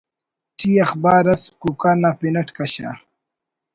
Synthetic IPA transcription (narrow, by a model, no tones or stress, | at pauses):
ʈʰiːɐxbaːɾɐskukanapinɐʈkɐɕa̰